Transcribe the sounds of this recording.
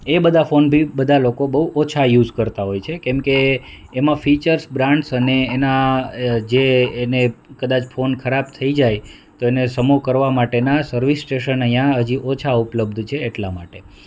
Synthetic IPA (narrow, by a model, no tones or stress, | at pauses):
ebəd̪ʱafonbʱibəd̪ʱalokobəɦuʔot͡ʃʰajud͡ʒkəɾt̪aɦojt͡ʃʰekɛ̃mkeː | mãfit͡ʃəɾsbɾãɳɖsəneːna | d͡ʒeːnekəd̪at͡ʃfonkʰəɾabt̪ʰəid͡ʒaj | t̪oenesəmokəɾʋamaʈenasəɾʋisːʈeʃənəɦijãɦəd͡ʒiʔot͡ʃʰaupləb̚d̪ʱt͡ʃʰeːʈlamaʈe